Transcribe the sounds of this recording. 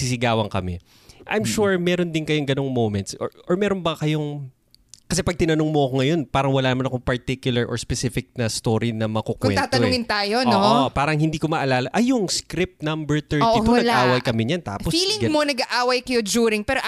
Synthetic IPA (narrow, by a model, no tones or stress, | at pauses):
sisɪɡaːwɐŋkɐmɛ̰ | ʔɐ̰jmʃuɹmɛːɾo̞nd̪ɪnkɐjoŋɡɐnoŋmowmɛnt̪sʔo̰ʔoɹmɛːɾonbɐkɐjoŋ | kɐs̬ɛpɐɡ̚t̪ɪnɐnoŋmoʔɐko̞ŋɐjo̞npaːɾɐŋwɐlaːnɐmanɐko̞ŋpɐɹt̪ikjʊlɐɹʔo̰spɛsɪfɪk̚nɐst̪oɾinɐmɐkokwɛt̪aːt̪ɐnʊŋɪnt̪aːjonoʔpaːɾɐŋhɪnd̪iːkomɐʔɐlaːlɐʔɐjʊŋskɾɪp̚t̪̚nɐmbɛɹt̪ɛɾionɐaʔaːwɐjkɐmɪɲɐnt̪a̰ːpsfiːlɪŋɡmonɐɡɐʔaːwɐjkɐjod͡ʒuːɾɪŋpɛːɾo